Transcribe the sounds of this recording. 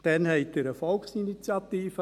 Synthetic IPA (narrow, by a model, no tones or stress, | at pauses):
d̥ɛnɦɛɪtd̪əɾəfɔlksinit͡sjɑt̪iːfə